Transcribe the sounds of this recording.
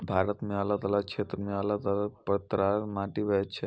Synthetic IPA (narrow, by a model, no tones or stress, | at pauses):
bʱaɾət̪mialat̪alakʰet̪ɾəmialat̪alapət̪ɾamaʈiʋət͡ʃʰe